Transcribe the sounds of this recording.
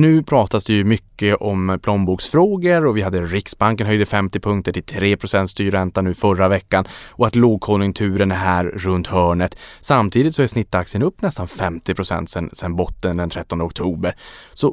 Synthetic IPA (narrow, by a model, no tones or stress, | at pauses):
nʉ̟ːpʰɾɑːt̪asd̪ɛjɵmʏkːəʔɔmpʰlɔmbuːksfɾoːɡəɾɔvɪhad̪ːəɾɪksbaŋkənɦœjd̪əfɛmt̪ɪpʰɵŋkt̪əʈʰɪlt̪ʰɾeːpʰɾʊsɛnt̪st̪yːɾɛnt̪anʉ̟ːfœɾavɛkːanɔat̪loːɡ̚kʰɔnjɵŋt̪ʰʉ̟ːɾənæɦæːɾːɵnt̪hœːɳət̪samt̪ʰiːd̪ɪt̪sɔæʂsnɪt̪ːaksɪənɵpːnɛst̪anfɛmt̪ɪpʰɾʊsɛ̰nt̪sɛnsɛnbɔt̪ːənd̪ɛnt̪ʰɾɛt̪ːɔnd̪əɔk̚t̪ʰuːbəɾsɔ